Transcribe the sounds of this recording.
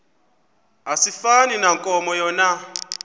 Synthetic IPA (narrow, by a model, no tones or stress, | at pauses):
asifaninaŋkʼɔmɔjɔna